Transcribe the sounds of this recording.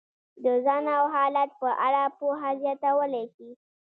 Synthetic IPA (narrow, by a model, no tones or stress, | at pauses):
d̪əzɑnawɦɑlat̪̚pəʔaɽapoɦazjɑt̪awəleʃi